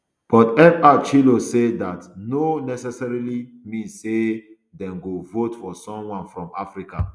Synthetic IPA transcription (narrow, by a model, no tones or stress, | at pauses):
b̥ɔtɛpat͡ʃilosedatnonɛsɛsɛɹili | mĩnse | dɛ̃mɡovotfɔsɔ̃mwãnfɹɔ̃mafɹika̰